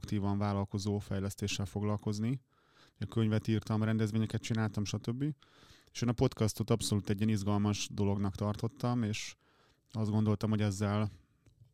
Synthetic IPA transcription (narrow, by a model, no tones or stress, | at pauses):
kt̪iːvɒɱvaːlɒlko̞zoːfɛjlɛst̪eːʃːɛlfo̞ɡlɒlko̞zni | ɒkøɲvɛt̪iːrt̪ɒmrɛnd̪ɛzvʋeːɲɛkɛt̪̚t͡ʃinaːlt̪ɒmʃɒt̪øbːieːʃeːnɒpo̞t̪kɒst̪o̞t̪ɒpso̞luːt̪ɛɟːiɛnizɡɒlmɒʒd̪o̞lo̞ɡnɒkt̪ɒrt̪o̞t̪ːɒmeːʃ | ɒzd̪ɡo̞nd̪o̞lt̪ɒmho̞ɟɛzːɛl